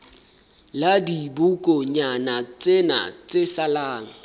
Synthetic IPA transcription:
ladibukʼɔɲanat͡sʼena̰t͡sʼesalaːŋ̩

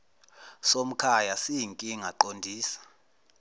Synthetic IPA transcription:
som̩kʰajasiiŋkʼiŋaǃondʱiːsḁ

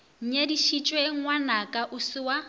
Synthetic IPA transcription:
ɲ̩ɲediʃit͡ʃʼweŋwanakʼaʔʊsɪwa

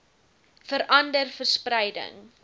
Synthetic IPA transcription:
fəɾʔɐndərfərspɾɐjdə̰ŋ

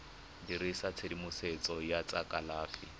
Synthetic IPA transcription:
diɾisat͡sʰedimʊset͡sʼɔjat͡sʼakʼalaːfi

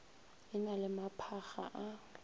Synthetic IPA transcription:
ɪnalɪmapʰaxaʔa

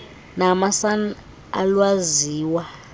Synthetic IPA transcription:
namasan | a̰lwaziːwa

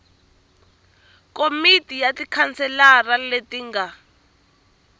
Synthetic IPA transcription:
komitʼijatikʰant͡sɛlaraletiŋɡa

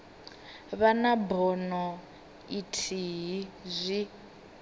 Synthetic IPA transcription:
βanabɔnɔ | itʰiɦizʷi

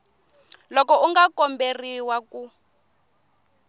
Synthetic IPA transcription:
lɔkɔuŋɡakɔmberiwaku

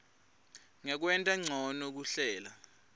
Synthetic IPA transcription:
ŋɛk̬wɛntʼaŋ͡ǀʱɔnok̬uɬɛːla

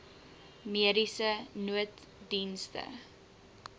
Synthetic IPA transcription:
miəɾisənuət | dinstə̰

